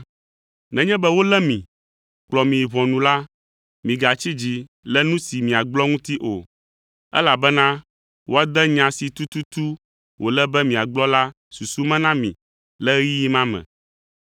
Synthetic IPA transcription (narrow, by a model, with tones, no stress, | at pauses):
nɛ̃˨ɲɛ̃˦bɛ˦wo˦lɛ˦mĩ˨ | k͡plɔ˨mĩ˨βɔ̃˨nũ˨la˦ | mĩ˨ɡa˨t͡ɕi˦d͡ʑi˦lɛ˦nũ˦si˨mĩ˨a˨ɡ͡blɔ˦ŋũ˦t̪i˦ʔo˨ | ɛ̰˦la˨bɛ˦nã˦ | wo˦a˨d̪ɛ˦ɲã˨si˨t̪u˦t̪u˦t̪u˦ | wo˨lɛ˦bɛ˦mĩ˨a˨ɡ͡blɔ˦la˦ | su˨su˦mɛ̃˦nã˦mĩ˨ | lɛ˦ji˦i˦mã˦mɛ̰̃˨